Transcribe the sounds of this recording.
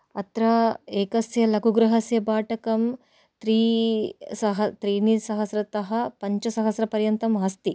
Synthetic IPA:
ɐt̪ɾɐeːkɐsjɐlɐkuɡɾɐɦɐsjɐbaːʈɐkɐm | t̪ɾiːsɐɦɐt̪ɾiːnisɐɦɐsɾɐt̪ɐɦɐpɐɲt͡ʃɐsɐɦɐsɾɐpɐɾjɐnt̪ɐmɦɐst̪i

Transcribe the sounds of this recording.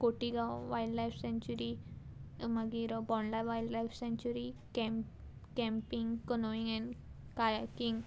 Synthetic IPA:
koʈiɡaʋajɖlajfʰsẽɲt͡ɕuɾi | maɡiɾobɔnlajʋajɖlajfʰsẽɲt͡ɕuɾikɛm | kɛ̃mpiŋɡkənoiŋɛ̃nkajakiŋ

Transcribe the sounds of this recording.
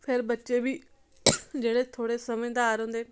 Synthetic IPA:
pʰɪɾbətːʃeːʋiː | d͡ʒeːɽeːt̪ʰoːɽeːsəmẽd̪aːɾɦõːnd̪eː

